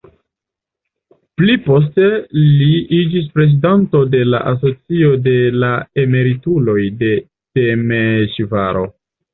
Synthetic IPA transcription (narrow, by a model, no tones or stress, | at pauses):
plipo̞s̬te̞liid͡ʒis̬pɾe̞zidanto̞de̞la̰ʔas̬o̞t͡sio̞de̞lae̞me̞ɾitulo̞jde̞ | temeʃiva̰ɾo̞̰